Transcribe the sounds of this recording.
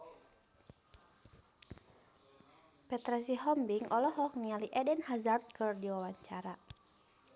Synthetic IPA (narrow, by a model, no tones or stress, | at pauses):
pɛt̪ɾɛs̬iɦɔmbiŋɔlɔɦɔk̚nialiʔɛdɛnhazart̪̚kɨrdiwawaɲt͡ʃaɾa